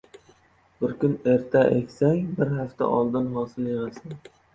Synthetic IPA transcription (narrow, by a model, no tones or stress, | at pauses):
bɪɾkʲʊne̞ɾt̪ʰaʔḛkʲsaŋbɪɾhaft̪a̰ʔɒlˠd̪ɪnɦɒːsɪljeʁasɪn